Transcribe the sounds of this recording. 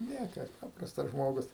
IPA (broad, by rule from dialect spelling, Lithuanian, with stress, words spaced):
ˈnʲiɛkɐs ˈpɑːprɐstɐs ˈʒmoːɡʊs